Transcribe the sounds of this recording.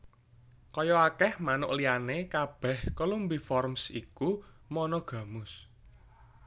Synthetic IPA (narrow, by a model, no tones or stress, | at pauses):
kɔjɔakɛhmanʊ̰ʔlianekab̥ɛhkolumbifɔrmsḭku | mɔnɔɡ̥ä̤mʊs